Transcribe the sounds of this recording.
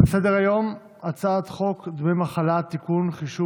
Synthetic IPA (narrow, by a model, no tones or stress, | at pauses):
esed̪eʁajo̞m | at͡saːt̪χo̞kd̪memaχalat̪ːikunχiʃu